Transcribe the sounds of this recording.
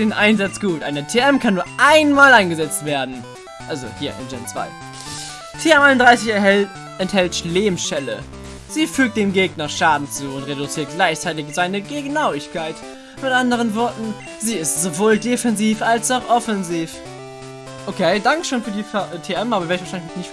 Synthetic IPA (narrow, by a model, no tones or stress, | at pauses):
d̥eːnʔaɪnzat͡sɡ̥uːtʔa̰ɪnətʰeɛmkʰanːuːɐʔaɪnmaːlaɪnɡəzɛt͡stv̥eːɐdn̩ | ʔalzo̰hiːɐʔɪ̰nd͡ʒɛnt͡sv̥a̰ɪ | tʰeːɛmaɪnʊndʁaɪsɪç | ʔɛnthɛltʃleːmʃɛlə̰ | z̥iːfyːk̚t̚d̥eːmɡeːɡnɐʃaːdn̩t͡suːʊntʁedʊt͡siːɐt̚ɡ̥laɪçt͡saɪtɪçz̥aɪnəɡəɡnaʊɪçkʰaɪt | mɪtʔandəʁ̞ənvɔɐtn̩ | ziːɪstz̥ovoːldefɛnziːfʔalsaʊxʔɔfɛnziːf | ʔokʰeɪdaŋkə̥ʃoːnfyːɐdiːfaʔtʰeːɛmʔaːbɐveːɐɪçfvaʃaɪlɪçnɔnɪçtf